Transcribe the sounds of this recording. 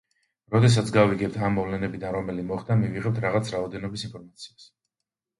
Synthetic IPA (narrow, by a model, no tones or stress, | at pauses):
ɾɔd̪ɛs̬at̪sʰɡaviɡɛp̚t̪ʰamːɔvlɛnɛbid̪anɾɔmɛlimɔχd̪amiviʁɛp̚t̪ʰɾaʁat̪sʰɾaɔd̪ɛnɔbisinpʰɔɾmat̪sʰi̥as